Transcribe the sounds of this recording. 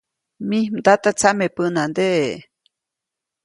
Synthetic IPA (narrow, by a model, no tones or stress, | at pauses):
mĩd̪at̪at͡samepɨnãnd̪eʔe